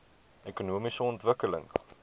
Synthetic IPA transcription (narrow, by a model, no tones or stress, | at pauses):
ekunuəmisəɔntvəkələ̰ŋ